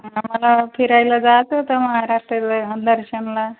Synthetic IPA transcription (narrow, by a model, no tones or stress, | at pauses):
amʌlapʰiɾajlad͡zat͡sʰut̪ʌmʌɦaɾasʈʌlɦd̪ʌɾsʌnla